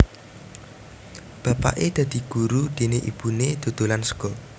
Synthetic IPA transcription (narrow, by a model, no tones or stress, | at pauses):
b̥ä̤pa̰ʔed̪̥ä̤d̪̥i̤ɡ̥ṳɾud̪̥e̤neʔḭb̥uned̪̥o̤d̪̥o̤lansə̥ɡ̥ɔ